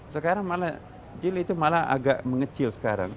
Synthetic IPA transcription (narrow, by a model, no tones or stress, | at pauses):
səkaɾaŋmala | d͡ʒɪlit̪umalaa̰ɡaʔməŋət͡ʃɪlsə̥kaɾa̰ŋ